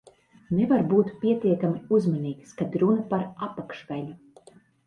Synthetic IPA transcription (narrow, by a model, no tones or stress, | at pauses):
nɛvaɾbuːt̪pʲiɛt̪iɛkamʲiuzmaniːkskad̪ɾunɐpaɾapakʃvælʲu